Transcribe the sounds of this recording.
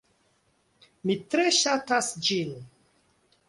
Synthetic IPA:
mitɾeʃatasd͡ʒin

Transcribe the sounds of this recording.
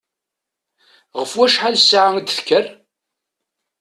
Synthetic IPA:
ʁəfwæʃħalsʕaŋd̪θkːər

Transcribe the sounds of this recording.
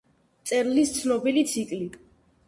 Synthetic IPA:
t̪sʼɛɾlist̪sʰnɔbilit̪sʰikʼli

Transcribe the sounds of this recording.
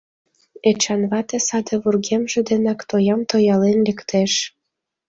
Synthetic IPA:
et͡ɕɑnβɑt̪esɑd̪ĕβurɣemʒĕd̪enɑkt̪ojɑmt̪ojɑlenlʲekt̪ʰeʃ

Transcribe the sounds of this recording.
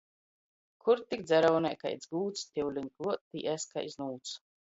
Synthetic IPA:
kʰuɾt̪ikd̪zɛɾɔwnɛjka̰jd̪zɡuːt̪st̪ʲiwlʲinkuɔt̪iʔɛska̰jznuːt̪s

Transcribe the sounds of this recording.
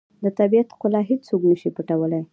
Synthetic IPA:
d̪ət̪abijat̪kʊlɑɦet͡st͡soknəʃipəʈawəlaj

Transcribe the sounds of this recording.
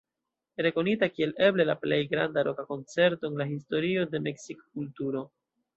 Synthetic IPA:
ɾe̞ko̞nitakie̞le̞ble̞laple̞jɡɾandaɾo̞kako̞nt͡se̞ɾto̞enlahisto̞ɾio̞de̞me̞ksikokultuɾo̞

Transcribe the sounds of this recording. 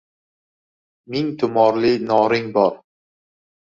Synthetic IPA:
mɪŋt̪ʰʊmɒɾlɪnɒɾɪŋbɒɾ

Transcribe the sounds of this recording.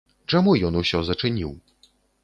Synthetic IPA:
t͡ʂamujɔnusʲɔzɐt͡ʂɨnʲiw

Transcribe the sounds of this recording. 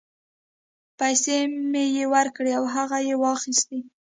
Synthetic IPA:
pajsemejewaɾkɽeawɦaɣajewɑxist̪i

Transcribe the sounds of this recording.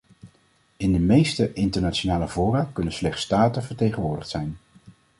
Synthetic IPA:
ɪndəmejstəʔɪntəɹnat͡ʃonaːləvʊːrakɵnənslɛχtstaːtəvəɹtejχənʋʊːɹdəχtsɛjn

